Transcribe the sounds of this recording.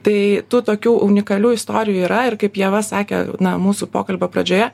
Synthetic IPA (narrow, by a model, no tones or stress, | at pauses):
t̪ɐɪt̪uːt̪oːkʲuːʔʊnʲɪkɐlʲuːɪst̪oːɾʲɪjuːiːɾɐɪrkɐɪpjiɛʋɐsɑːkʲɛ̰nɐmuːsʊpo̰ːkɐlʲbɐpɾɐ̰d͡ʒʲoːjɛ